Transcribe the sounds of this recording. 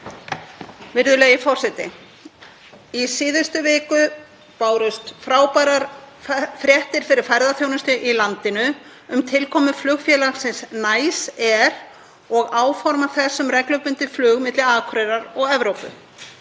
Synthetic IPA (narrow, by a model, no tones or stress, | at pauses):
vɪɾðʏlɛɣjɪfɔr̥sɛt̪ɪ̰ | isiːðʏst̪ʏvɪːkʏ | paːwɾʏst̪fɾaːwpaɾaɾ | fɾjɛht̪ɪɾ̥fɪɾɪɾ̥fajɾðaθjownʏst̪ʏʔilant̪ɪnʏ | ʏmt̪ʰɪlkʰɔːmʏflʏɣfjɛːlaxsɪnsnaːjsɛɾ | ɔɣaːwfɔɾmaθɛsːʏmrɛklœpʏnt̪ɪflʏːɣmɪt̪lɪaːkʰɾɛɾaɾɔɣɛvɾowpʏ̰